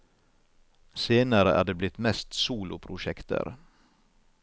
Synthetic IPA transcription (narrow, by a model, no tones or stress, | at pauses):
seːnaɾəʔæ̰ɖɛblɪt̪mɛst̪suːlʊpʰɾʊʂɛkt̪ʰə̰ɾ